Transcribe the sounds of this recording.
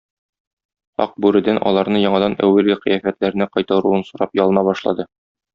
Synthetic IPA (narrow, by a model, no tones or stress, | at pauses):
ɒ̰q̚bʉɾɘ̆d̪ænʔɒ̰lˠɑɾnɤjɒɴɑd̪ɑnæ̰wːælɡɘqɤ̆jæfæt̪læɾɘ̆næqɒjt̪ɑɾuɤnsuɾɑpjɒlˠɤ̆nɑbɒʃlˠɑ̰d̪ɤ